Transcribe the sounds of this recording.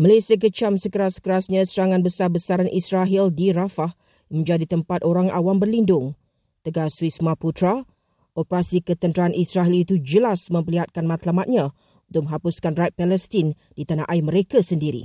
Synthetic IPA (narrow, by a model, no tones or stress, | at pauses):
məlajsiak̬ət͡ʃamsəkəɾasə̥kəɾasɲãsəɾaŋãnbəsarbəsaɾanʔisɾaɦildiɾafah | mə̃ɲd͡ʒadit̪əmpat̪oɾaŋa̰wambərlindʊŋ | t̪əɡaswismãput̪ɾa | ʔɔpəɾasikət̪ənt̪ɾaanʔisɾaɦilit̪ud͡ʒəlasmə̃mpəliɦat̪̚kanmãt̪lamat̪̚ɲã | ũnt̪ʊk̚mə̃ɦapuskanrat̪̚pɛlɛst̪in | dit̪anãʔaimə̃ɾekasəndiɾḭ